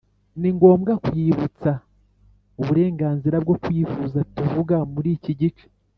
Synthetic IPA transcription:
niŋɡo̞ːmɡakujiːβut͡sa | uβuɾe̞ːŋɡaːnziɾabɡo̞kwjiːfuzatuvuɡamuɾiːciɟit͡ʃe̥

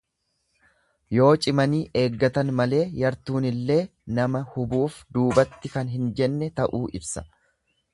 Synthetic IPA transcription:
jo̞ːt͡ʃʼɪmɐniːʔe̞ːɡːɐt̪ɐnmɐle̞ːjɐɾt̪uːnɪlːe̞ːnɐmɐhʊbuːfd̪uːbɐt̪ːɪkɐnɦɪnd͡ʒɛnːɛt̪ɐʔuːʔɪbsɐ̥

